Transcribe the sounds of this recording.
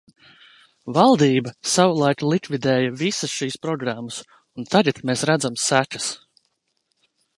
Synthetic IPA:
valˠd̪iːbɐsavulˠajkulˠikvid̪ɛːjɐvisəsʃiːspɾɔɡɾamːɐs | unt̪aɡat̪meːsɾæd̪zamsækɐ̥s

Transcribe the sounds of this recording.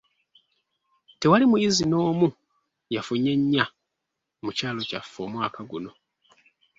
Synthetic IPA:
te̞walimujizino̞ːmu | jafuɲe̞ɲːa | mucaːlo̞ca̰fːo̞ːmwaːkʰaɡuno̞

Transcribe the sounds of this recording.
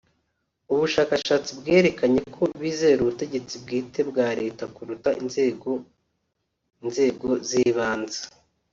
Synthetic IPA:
uβuʃaːkaʃaːt͡sibɡe̞ːɾe̞kaɲe̞kʰo̞βiːze̞ɾuβute̞ɟe̞t͡sibɡiːte̞bɡaːɾe̞ːtakuɾutaʔinzeɡo | nze̞ːɡo̞ziβaːnzḁ

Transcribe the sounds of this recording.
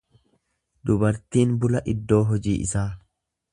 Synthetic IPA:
d̪ʊbɐɾt̪iːnbʊlɐʔɪd̪ːo̞ːɦɔd͡ʒḭːʔɪ̰saː

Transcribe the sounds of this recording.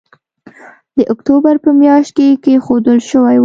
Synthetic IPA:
d̪̥əʔʊkt̪obaɾpəmjɑʃt̪̚kekexod̪əlʃəwajw

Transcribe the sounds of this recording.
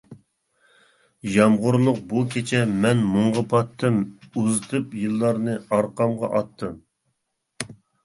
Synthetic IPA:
jɑmʁʊɾlˠʊq̚bukʲʰet͡ʃʰɛmɛnmʊɴʁɑpʰɑt̪ʰːɨmuzɨt̪ʰɨpjɨlˠːɑɾnɨɑɾqɑmʁɑ̰ʔɑt̪ʰːɨm

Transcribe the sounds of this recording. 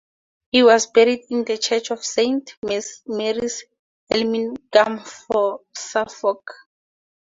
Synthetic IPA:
hiwɔsbɛɹidĩndət͡ʃʰɛt͡ʃʰɔfsẽntʰmɛsmeɹis | ɛlmĩnɡ̥amfɔsafɔk

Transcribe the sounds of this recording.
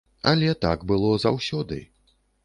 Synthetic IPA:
ɐ̰lʲɛt̪a̰ɡbɨlˠɔza̰wsʲɔd̪ɨ̰

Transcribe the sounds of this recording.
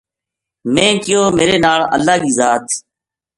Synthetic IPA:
mẽːkɪjoːmeːɾeːnaːɭə̰lːaːɠiːzaːt̪

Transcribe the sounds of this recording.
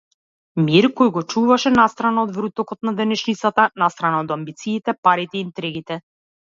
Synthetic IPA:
miɾkɔjɡɔt͡ʃuvaʃɛnast̪ɾanaɔd̪vɾut̪ɔkɔt̪nad̪ɛnɛʃnit̪sat̪anast̪ɾanaɔd̪ambit̪siːt̪ɛpaɾit̪ɛiːnt̪ɾɛɡit̪ɛ

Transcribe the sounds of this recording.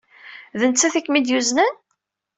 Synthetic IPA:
ðənt͡sːæθikːmid̪juznæn

